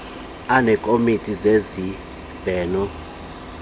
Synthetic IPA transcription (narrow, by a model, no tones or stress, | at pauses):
anɛkʼomitʼizezi | b̥ʱɛːnɔ